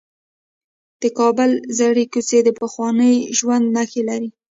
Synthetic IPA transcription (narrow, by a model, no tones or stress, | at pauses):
d̪̥əkɑbəlzaɽikut͡sed̪əpəxwɑnəjʒwand̪naxelaɾi